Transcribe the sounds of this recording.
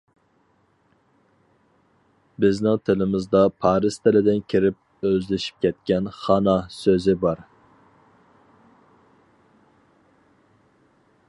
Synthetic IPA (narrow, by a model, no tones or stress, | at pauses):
bɪznɪŋt̪ʰɪlɪmɪzd̪ɑpʰɑːɾɪst̪ʰɪlɪd̪ɪnkʲʰiɾɪp̚ | øzlɪʃi̥p̚kʲʰɛt̪kʲɛnχɑnɑsøzɪbɑɾ